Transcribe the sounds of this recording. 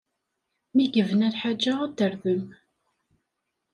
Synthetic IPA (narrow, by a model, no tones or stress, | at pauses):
miɡəvənælħad͡ʒːaæd̪əɾðəm